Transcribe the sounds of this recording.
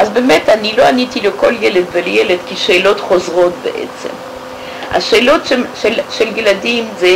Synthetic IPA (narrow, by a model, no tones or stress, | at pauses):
ʔazbemetaniloanitilekoljeled̪veljeled̪kiʃeːlotχozʁotbḛʔḛt͡sḛm | ʔa̰ʃeːlotʃeʃelʃeljeladimze